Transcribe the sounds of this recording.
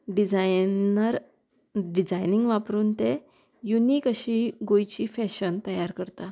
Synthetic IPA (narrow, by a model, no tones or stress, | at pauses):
ɖid͡zajnəɾ | ɖid͡zajniŋɡʋapɾuːnt̪e | juniːkəɕiɡojt͡ɕiːfɛɕənt̪əjaɾkəɾt̪a